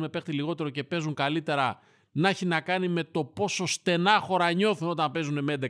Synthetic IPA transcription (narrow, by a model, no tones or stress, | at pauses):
me̞pe̞xt̪iliɣo̞t̪e̞ɾo̞ce̞pe̞zuŋkalit̪e̞ɾɐ | nɐçinɐkɐnime̞t̪o̞po̞so̞st̪e̞nɐxo̞ɾɐɲo̞θuno̞t̪ɐmpe̞zune̞meed̪e